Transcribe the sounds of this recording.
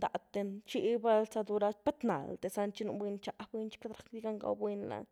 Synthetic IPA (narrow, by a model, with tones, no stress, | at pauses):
d̪a̰˨t̪e˧nt͡ʃi˧˦ba˧lsa˧d̪u˧ɾa˧spe˦t̪na̰˨ld̪e˨sa˧nt͡ʃi˦nu˧bwe˧nt͡ʃa˧bwe˧˦nt͡ʃi̥˦ke˦d̪ɾa˨kd̪i˦ɡa˦ŋɡa̰˧wbwe˧nla̰˧